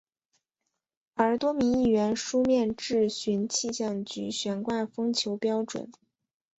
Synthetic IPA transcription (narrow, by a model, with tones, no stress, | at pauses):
ə˞˧˥t̪wɔ˥mi˧˥ŋi˥˩ɥɛ˧˥nʂu˥mjɛ˥˧nʈ͡ʂɻ̩˥˩ɕy˧˥nt͡ɕʰi˥˧ɕjɑ˥˩ŋt͡ɕy̰˧˥ɕɥɛ˧˥nkwa˥˩nfɤ˥ŋt͡ɕʰjo˧˥ʊpjɑ˥ʊʈ͡ʂwə̰˨˩˦n